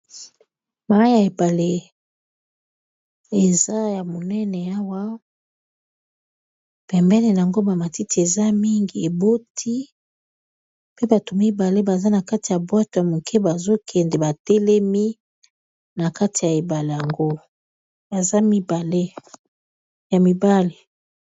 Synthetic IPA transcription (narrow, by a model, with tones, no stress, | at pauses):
ma˨˦ja˨e˨ba˨le˦ | e˨za˦ja˨mo˨nɛ˦nɛ˨a˦wa˦ | pɛ˨mbɛ˦ne˨na˨a˨ŋɡo˦ba˨ma˨ti˦ti˨e˨za˦mi˦ŋɡi˨e˨bo˦tʰi˦ | pe˦ba˨to˨mi˦ba˨le˦ba˨za˦na˨ka˦ti˨ja˨bwa˦to˨ja˨mo˨kʰɛ˦ba˨zo˦kʰɛ˨ndɛ˨ba˨te˦le˦mi˦ | na˨ka˦ti˨ja˨e˨ba˨le˨ja˨ŋɡo˦ | ba˨za˦mi˦ba˨le˦ | ja˨mi˨ba˦le˨